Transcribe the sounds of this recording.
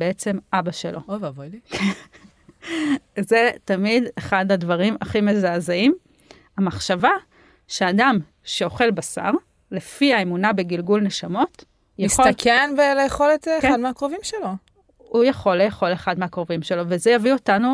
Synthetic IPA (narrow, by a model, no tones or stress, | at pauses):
beet͡se̞mʔabaʃḛlʔo̞̰ovavojlikʰen | ze̞tamideχadadvaʁimaχime̞zaːzeim | amaχʃava | ʃeadam | ʃe̞o̞χe̞lbasa̰ʁ | le̞fiaemunabeɡilɡulne̞ʃamo̞t | jasoakenvelejeχolet̪ːkad̪meakʁovimʃelo | ujaχo̞lejeχo̞leχadmeakʁovimʃe̞lo̞vezejavio̞tanu